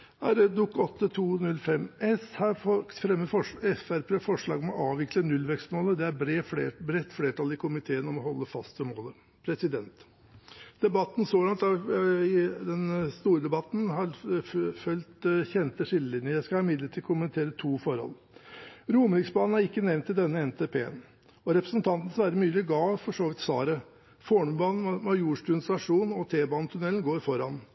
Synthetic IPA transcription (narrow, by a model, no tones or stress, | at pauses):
æɾd̪ʊkːɔt̪ːət̪ʰuːnʉlfɛmɛshɑɾfɔfɾɛmːəfɔʂɛfæɾpʰeːfɔʂɭɑːɡɔmɛɔʔɑːʋʋɪklənʉlːʋɛkst̪moːləd̪ɛæɾɾefeːbɾɛt̪ːfleːʈʰɑlɪkʰʊmɪt̪ʰeːənɔmɔhɔlːəfɑst̪əmoːlə | pʰɾɛsɪd̪ɛnt̪ | d̪̥ɛbɑt̪ːn̩soːlɑnt̪ɑɪd̪ɛnst̪uːɾəd̪ɛbɑt̪n̩hɑɾfœlt̪çɛnt̪əʂɪlːəlɪnjəjæɪskɑɑɪmɪd̪ləʈʰɪlkʰʊmənɪt̪ʰeːɾət̪ʰuːfɔɾhɔ̰lː | ɾuːməɾɪksbɑːnn̩æɾɪkːənɛʋnt̪ʰːɪld̪ɛnːəɛnt̪ʰeːpʰḛːn | ɔɾɛpɾəsnt̪ʰɑnt̪ən̩sʋæːɾd̪əmyːlɪɡɑːfɔʂoːʋɪt̪sʋɑ̰ːɾə | foːɳʉbɑːnn̩mɑjuːʂʈʉːnst̪ɑʂuːnɔt̪ʰeːbɑːnət̪ʰʉnɛlnɡoːɾfɔɾɑn